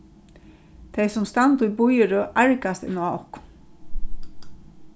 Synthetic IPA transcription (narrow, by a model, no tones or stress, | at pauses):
t̪ʰɛjsʊmst̪ant̪ʊjbʊjəɹʊʔaɹkast̪ɪ̰naɔhkʊ̥